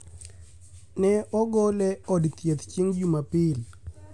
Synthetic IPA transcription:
nɛɔɡɔlɛɔdt̪jet̪t͡ʃiŋd͡ʒumapɪl

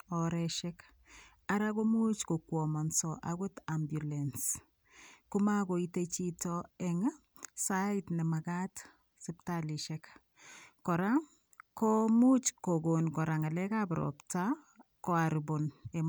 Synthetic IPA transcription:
ɔɾɛʃɛk | aɾakomut͡ʃkokwɔmɔnsɔʔaɡotambjulens | kumakoitet͡ʃitɔɛŋ | saitnɛmaɡat | siptaliʃɛk | kɔɾa | komut͡ʃkoɡonkɔɾaŋalɛkabɾɔ̰pta | kɔaɾubonem

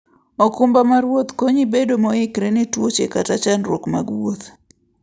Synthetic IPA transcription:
okumbamaɾwot̪koɲibedomɔɪkɾɛnɪtwot͡ʃekatat͡ʃanɾwokma̰ɡwot̪

